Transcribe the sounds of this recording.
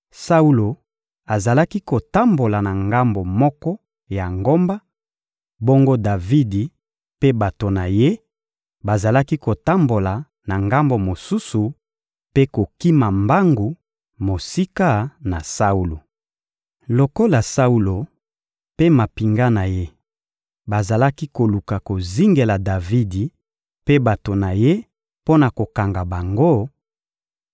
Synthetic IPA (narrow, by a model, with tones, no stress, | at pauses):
sa˦u˦lo˨ | a˨za˨la˦ki˦ko˨ta˦mbo˨la˨na˨ŋɡa˦mbo˨mɔ˦kɔ˦ | ja˨ŋɡo˦mba˦ | bo˦ŋɡo˦da˨vi˦di˨ | pe˦ba˨to˨na˨je˦ | ba˨za˨la˦ki˦ko˨ta˦mbo˨la˨ | na˨ŋɡa˦mbo˨mo˨su˦su˨ | pe˦ko˨ki˦ma˨mba˦ŋɡu˨ | mo˨si˦ka˦na˨sa˦u˦lo˨ | lo˨ko˦la˨sa˦u˦lo˨ | pe˦ma˨pi˨ŋɡa˦na˨je˦ | ba˨za˨la˦ki˦ko˨lu˨ka˨ko˨zi˦ŋɡe˨la˨da˨vi˦di˨ | pe˦ba˨to˨na˨je˦ | po˦na˨ko˨ka˨ŋɡa˨ba˨ŋɡo˦